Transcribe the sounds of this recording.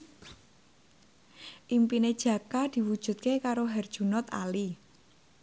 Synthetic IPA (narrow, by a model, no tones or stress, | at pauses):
ʔimpined̥ʒ̥ä̤kad̪̥i̤wud̥ʒ̥ṳt̪̚kekaɾoɦɛrd̥ʒ̥unɔt̪a̰li